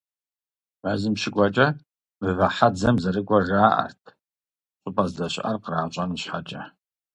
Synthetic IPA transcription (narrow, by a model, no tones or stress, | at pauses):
mazɨmʃɪkʷʼat͡ʃʼɐ | mɨvaħad͡zɐmzaɾɨkʷʼaʒaːʔa̰rtʰ | ɕʷʼʊpʼazdaɕʷʔa̰rqraːt͡ʃʷʼanɨɕħat͡ʃʼa